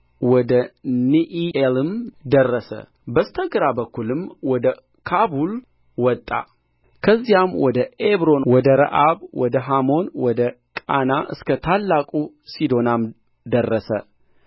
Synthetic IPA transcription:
wɔd̪əniʔielɨmd̪ərːəsə̰ | bəst̪ʰəɡɾabəkːulɨmwɔd̪ə | kʰabul | wɔt̪ʼːa̰ | kʰəzːijamwɔd̪əeβɾo̞nwɔd̪əɾə̰ʔaβwɔd̪əɦamo̞nwɔd̪ə | kʼa̰naʔɨskʰət̪ʰalːakʼu | sid̪o̞nam | d̪ərːəsə̰

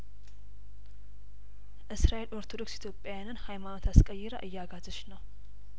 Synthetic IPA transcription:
ʔɨsɾaʔe̞loɾt̪ʰo̞do̞ksit̪jo̞pʼjajanɨnhajmano̞t̪ʰaskʼəjːɛɾəʔɨjːaɡat̪ʰɨt͡ʃnəw

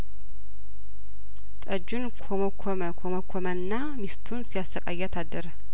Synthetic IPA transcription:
t̪ʼəd͡ʒunkʰoməkʰoməkʰoməkʷʰomənːa | mist̪ʰunsijast̪əkʼajːat̪ʰad̪ːəɾə

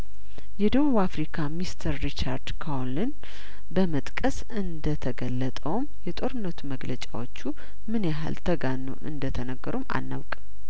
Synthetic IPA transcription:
jɛd̪əβuβafɾikʰamist̪ʰəɾːit͡ʃaɾd̪kʰawlɨn | bəmət̪ʼkʼəs | ɨnd̪ət̪ʰəɡəlːət̪ʼəwmjɛt̪ʼo̞ɾɨnːət̪ʰuməɡlət͡ʃʼa̰wo̞t͡ʃːu | mɨnjaɦa̰lt̪ʰəɡanːo̰ʔɨ̰nd̪ət̪ʰənəɡəɾuma̰nːa̰wkʼ

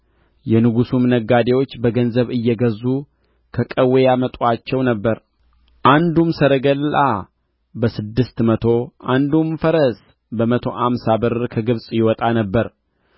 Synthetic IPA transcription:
jɛnɨɡusumnəɡːad̪e̞wo̞t͡ʃːbəɡənzəβɨjːɛɡəzːu | kʰəkʼəwejamət̪ʼuat͡ʃːɛwnəbːəɾ | ʔand̪umsəɾəɡəla | bəsɨd̪ːɨst̪mət̪ʰo̞ʔand̪umfəɾəs | bəmət̪ʰo̞ʔamsabɨɾkʰəɡɨβsʼjɪwɔt̪ʼanəbːəɾ

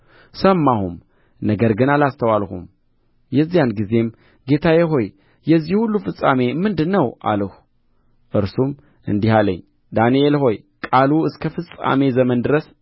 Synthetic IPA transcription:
səmːahum | nəɡəɾɡɨnalast̪ʰəwalhṵm | jɛzːijanɡize̞m | ɡe̞t̪ʰajɛɦo̞j | jɛzːihulːufɨsʼame̞mɨnd̪ɨnːəwʔa̰ləhu | ʔɨɾsum | ʔɨ̰nd̪ihalə̰ɲː | d̪anielho̞j | kʼaluɨskʰəfɨsʼa̰me̞zəmənd̪ɨɾəs

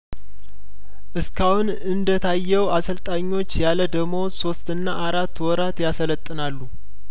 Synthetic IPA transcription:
ʔɨskʰahun | ɨnd̪ət̪ʰajːɛwasəlt̪ʼaɲːo̞t͡ʃːjaləd̪əɡmo̞so̞st̪ɨnːaʔaɾat̪ːwɔɾat̪jasələt̪ʼːɨnalːu

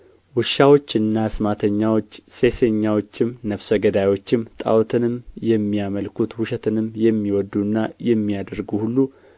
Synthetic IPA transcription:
wɨʃawo̞t͡ʃːɨnːasmat̪ʰəɲːawo̞t͡ʃːse̞se̞ɲːawo̞t͡ʃːɪmnəfsəɡəd̪ajwo̞t͡ʃːɪmt̪ʼa̰wt̪ʰɨnɨmjɛmːijaməlkʰut̪hʊʃɛt̪ʰɨnɨmjɛmːiwɔd̪ːunːajɛmːijad̪əɾɡuhulːu

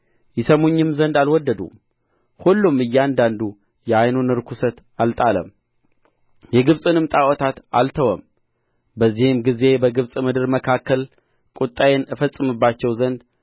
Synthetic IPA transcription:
jɪsəmoɲːɨmzənd̪alwɔd̪ːəd̪ṵ | hulːumɨjːɛand̪and̪u | jɛajnonɨɾkʰusət̪ | alt̪ʼalə̰m | jɛɡɨβsʼɨnɨmt̪ʼawɔt̪ʰat̪a̰lt̪ʰəwəm | bəzːihɪmɡize̞bəɡɨβsʼmɨd̪ɨɾməkʰakːəl | kʼut̪ʼːajenɨfəsʼɨmɨbːat͡ʃːɛwzənd̪

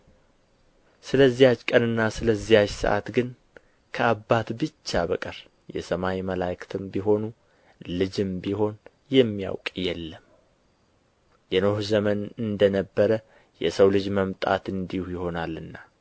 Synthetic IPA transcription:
sɨləzːijat͡ʃkʼənɨnːasɨləzːijat͡ʃsə̰ʔa̰t̪ɡɨn | kʰəʔabːat̪bɨt͡ʃːabəkʼəɾ | jɛ̰səmawiməlakʰt̪ʰɨmbiɦo̞nu | lɨd͡ʒɨmbiɦo̞n | jɛmːija̰wkʼjɛlːəm | jɛno̞hzəmənɨnd̪ənəbːəɾə | jɛsəwlɨd͡ʒməmt̪ʼa̰t̪ɨnd̪ihujɪho̞nalɨnːa

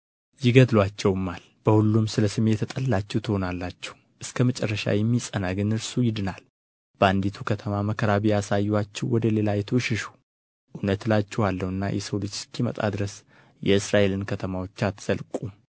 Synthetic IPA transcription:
jɪɡəd̪lwat͡ʃːɛwmːal | b̥əhulːumsɨləsɨme̞t̪ʰːət̪ʼəlːat͡ʃːɛht̪ʰɨho̞nalːat͡ʃːɛ̥w | ʔɨskʰəmət͡ʃʼɛrːəʃa̰jɛmːisʼənaɡɨnɨɾsujɪd̪ɨnal | b̥əand̪it̪ʰukʰət̪ʰəmaməkʰəɾaβiasajːat͡ʃːɛwwɔd̪əle̞lajɛt̪ʰoʃɪʃu̥ | ʔunət̪lat͡ʃːɛwalːəwɨnːa̰jʔɛ̰səwlɨt͡ʃskʰimə̰t̪ʼa̰d̪ɨɾəs | jɛɨsɾaʔe̞lɨnkʰət̪ʰəmawot͡ʃːat̪z̥əlkʼum

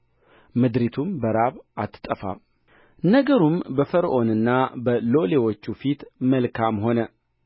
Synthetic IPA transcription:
mɨd̪ɾit̪ʰumbəɾaβat̪ʰːt̪ʼəfa̰ | nəɡəɾumbəfəɾʔo̞nɨnːabəlo̞lewo̞t͡ʃːufit̪məlkʰamho̞nə

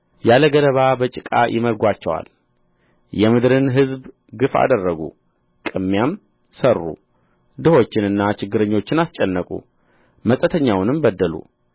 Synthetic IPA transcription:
jaləɡələβabət͡ʃʼɪkʼa̰jʔɪ̰məɾɡʷat͡ʃːɛwa̰l | jɛmɨd̪ɾɨnɦɨzb | ɡɨfa̰d̪ərːəɡṵ | kʼɨmːjam | sərːṵ | d̪ɨho̞t͡ʃːɪnɨnːat͡ʃɪɡːɨɾəɲːo̞t͡ʃːɪnast͡ʃʼɛnːəkʼṵ | məsʼət̪ʰəɲːawnɨmbəd̪ːəlṵ

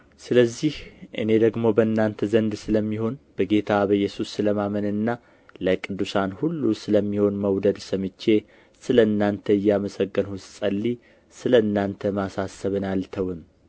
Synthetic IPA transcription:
sɨləzːihʔɨ̰ne̞d̪əɡmo̞bəɨnːant̪ʰəzənd̪sɨləmːiho̞nb̥əɡe̞t̪ʰabəɨjːɛsusɨləmamənɨnːa | ləkʼɨd̪ːusanhulːusɨləmːiho̞nməwd̪əd̪sɨmɨt͡ʃːe̞ | sɨləɨnːant̪ʰəɨjːaməsəɡːənhʊssʼəlːi | sɨləɨnːant̪ʰəmasasːəβɨnalt̪ʰəwɨm

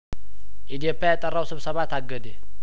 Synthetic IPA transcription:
ʔid̪ijopjajat̪ʼːərːawsɨβsəβat̪aɡəd̪e

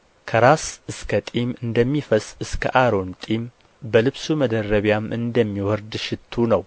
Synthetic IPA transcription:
kʰəɾasɨskʰət̪ʼimɨnd̪əmːifəsʼɨskʰə̰ʔaɾo̞nt̪ʼim | bəlɨβsuməd̪ərːəβjamʔɨnd̪əmːiwɔɾd̪ʃɪt̪ʰːunəw

